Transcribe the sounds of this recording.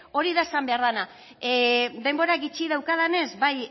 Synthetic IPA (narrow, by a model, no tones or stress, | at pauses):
o̞ɾiðaesambe̞aɾðana | d̪e̞mbo̞ɾaɡit͡ʃið̞awkað̞ane̞zbaj